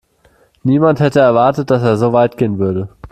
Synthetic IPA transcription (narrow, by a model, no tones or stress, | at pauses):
niːmanthɛtəɛɐvaɐtət̚d̥aseːɐzoːvaɪtɡ̥eːənvʏɐɾə